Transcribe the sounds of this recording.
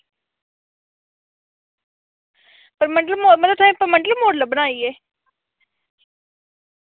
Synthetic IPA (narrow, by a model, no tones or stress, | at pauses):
pɐɾmɐɳɖəlmoːmɐt̪ət̪ʰaĩpɐɾmɐɳɖlmoːɖləbənaːieː